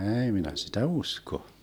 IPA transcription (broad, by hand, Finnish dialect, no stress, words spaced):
ɛːi minæ sitæ usko